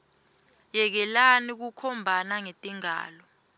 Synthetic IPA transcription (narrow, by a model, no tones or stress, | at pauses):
jɛk̬ɛlanik̬ukʰɔmbʱanaŋetʼiŋa̰ːlɔ